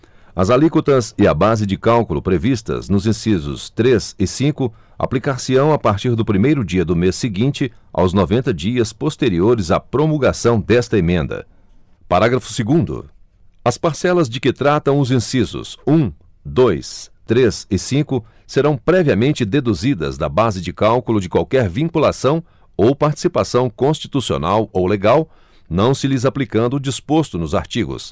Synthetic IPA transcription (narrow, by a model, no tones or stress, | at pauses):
ɐzalikot̪ɐzɪɐbazɪd͡ʒɪkawkulʊpɾevist̪ɐ̰znʊzĩsizʊ̰st̪ɾezɪsĩkʊ | a̰plikaɾsɪɐ̃w̃apaɾt͡ʃiɾd̪ʊpɾimejɾʊd͡ʒiɐd̪ʊmesːɪɡĩnt͡ʃɪʔa̰wznovẽnt̪ɐd͡ʒiɐspost̪eɾioɾɪza̰pɾomulɡasɐ̃w̃d̪ɛst̪ɐemẽnd̪ɐ̰ | paɾaɡɾɐfʊ̥sɪɡũnd̪ʊ̰ | ɐspaɾsɛlɐzd͡ʒɪkɪt̪ɾat̪ɐ̃w̃ʊzĩsizʊ̰sũ | d̪ojst̪ɾesɪsĩkʊ | seɾɐ̃w̃pɾɛviɐmẽnt͡ʃɪd̪ed̪uzid̪ɐ̰zd̪ɐ̰bazɪd͡ʒɪkawkulʊd͡ʒɪkwawkɛɾvĩkulasɐ̃w̃ | owpaɾt͡ʃi̥sipasɐ̃w̃kõst͡ʃi̥t̪usio̰nawowleɡaw | nɐ̃w̃sɪlɪzaplikɐ̃nd̪ʊd͡ʒispost̪ʊnʊza̰ɾt͡ʃiɡʊ̰s